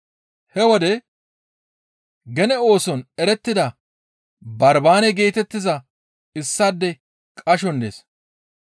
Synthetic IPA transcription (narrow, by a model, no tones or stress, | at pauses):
hɛwɔd̪ɛ | ɡɛnɛo̞ːsɔnɛɾɛt̪ːɪd̪ɐ | bɐɾbaːnɛɡe̞ːt̪ɛt̪ːɪzɐ | ɪsːɐd̪ːɛ | kʼɐʃɔnd̪eːs